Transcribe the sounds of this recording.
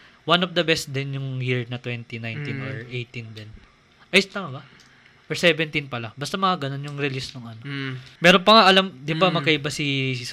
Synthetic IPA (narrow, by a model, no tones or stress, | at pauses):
wanovd̪ɐbɛst̪̚d̪ɛnjʊŋjiɹnɐt̪wɛnt̪inajnt̪inoɹʔejt̪ind̪ɛn | ʔɐjst̪aːmɐbɐ | ʔɔɹsɛːvɛnt̪inpɐlɐbɐst̪ɐmɐŋaɡɐno̞njʊŋɾɪlisnoŋʔɐnomɛɾonpɐŋaʔɐlamd̪ɪbamɐkɐʔɪbasi